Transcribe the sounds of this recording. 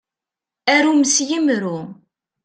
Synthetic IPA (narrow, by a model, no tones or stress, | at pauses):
æɾuməsjimɾu